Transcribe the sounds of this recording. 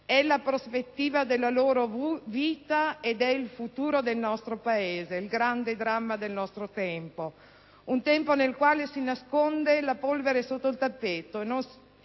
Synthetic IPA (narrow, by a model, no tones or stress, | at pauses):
ɛlapɾospet̪ːiːvad̪elːaloːɾoviːt̪aed̪ɛilfut̪uːɾod̪elnɔst̪ɾopaeːzeilɡɾand̪ed̪ɾamːad̪elnɔst̪ɾot̪ɛmpo | unt̪ɛmponelkwaːlesinaskond̪elapolveɾesot̪ːoilt̪apːeːt̪oenːons